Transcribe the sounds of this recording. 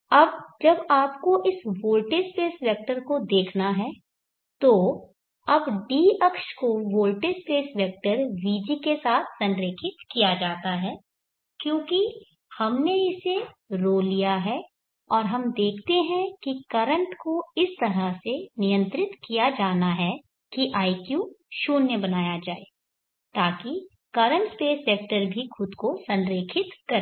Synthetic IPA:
ɐbd͡ʒɐbaːpkoʔɪsʋoːlʈespeːsʋɛk̚ʈəɾkod̪eːkʰnaɦɛː | t̪o | ɐbɖiːɐkʃkoʋoːlʈespeːsʋɛːk̚ʈəɾʋiːd͡ʒikesaːt̪ʰsɐ̃nɾeːkʰɪt̪kijad͡ʒaːt̪aɦɛː | kjõːki | hɐmneɪseɾoːlːijaɦɛ | ɔːɾɦɐmd̪eːkʰt̪eɦɛ̃kikɐɾə̃ɳʈkoɪst̪ɐɾasenɪjə̃nt̪ɾɪt̪kijad͡ʒaːnaɦɛ | kiʔaːikjuʃoːnjəbɐnaːjad͡ʒaːeː | t̪aːki | kɐɾə̃ɳʈspeːsʋɛːk̚ʈəɾbʱixʰʊd̪kosɐ̃nɾeːkʰɪt̪kɐɾ

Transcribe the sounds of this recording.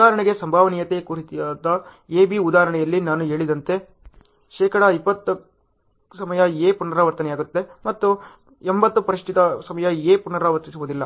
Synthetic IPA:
aːɦɐɾɐɳɛɡe̞sɐmbʱaːʋɐnijɐt̪ekuɾit̪ijaːd̪ɐeːbiud̪aːɦɐɾɐɳɛjɐlːinaːnuɦe̞ːɭid̪ɐnt̪e̞ | ʃɛːkɐɽɐipːɐt̪ːu | sɐmɐjɐeːpunːɐɾɐʋɐɾt̪ɐnɛjaːɡut̪ːe̞mɐt̪ːu | embɐt̪ːupɐɾiʂʈʰit̪ɐsɐmɐjɐeːpunːɐɾaːʋɐɾt̪isuʋuːd̪ilːɐ

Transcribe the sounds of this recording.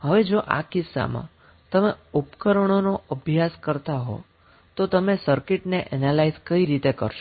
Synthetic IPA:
ɦəʋed͡ʒoʔa̰kɪsːa̰mã̰ | t̪əmeupkəɾəɳ̃onoəbʱjaskəɾt̪aɦo̰ | t̪ot̪əmesəɾkɪʈneʔɛnalaizkəiɾit̪ekə̰ɾʃ

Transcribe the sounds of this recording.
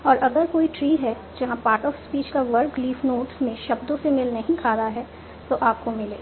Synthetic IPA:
ɔːɾʔɐɡəɾkoːiʈɾiːɦɛ | d͡ʒɐɦãpaːɾʈɔːfspiːt͡ʃkaʋɐɾkliːfnoːʈsmẽʃɐb̚d̪õsemɪlnɐɦĩkʰaːɾaɦɛ | t̪oʔaːp̚komɪleː

